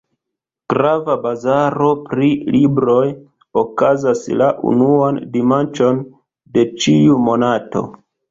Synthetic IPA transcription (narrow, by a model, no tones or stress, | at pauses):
ɡ̥ɾavabazaɾo̞pɾilibɾo̞j | o̞kazaslaʔṵnuandimant͡ʃo̞n | de̞t͡ʃiumo̞nato̞̰